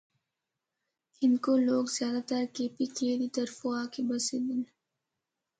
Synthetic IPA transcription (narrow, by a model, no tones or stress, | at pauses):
ɪnkoloːɡzjaːd̪aːt̪əɾkeːpikied̪it̪ɐɾfoaːkebɐseːd̪ɪn